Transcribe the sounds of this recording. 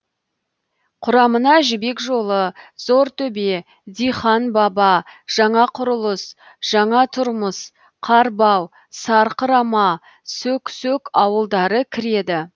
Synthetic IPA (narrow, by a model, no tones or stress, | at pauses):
qʰʊɾɑmənɑʒɪbe̞kʒo̞lˠəzo̞ɾt̪ʰɵbe̞ | d̪ijχɑnbɑbɑʒ̥ɑɴɑqʰʊɾəlˠəs | ʒ̥ɑɴɑt̪ʰʊɾməs | qʰɑɾbɑw | sɑɾqəɾɑmɑ | sɵksɵkɑwəlˠd̪ɑɾəkʲʰɪɾe̞d̪ɪ